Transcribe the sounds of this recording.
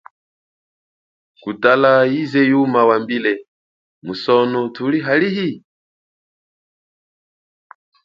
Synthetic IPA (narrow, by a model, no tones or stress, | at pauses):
kutalajizɛjumawambilɛ | musɔnɔtʰuliɦaliɦi